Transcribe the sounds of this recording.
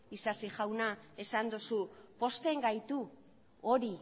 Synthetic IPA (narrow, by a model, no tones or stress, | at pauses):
isasiʝawnae̞sand̪usupo̞st̪e̞ŋɡajt̪u | oɾi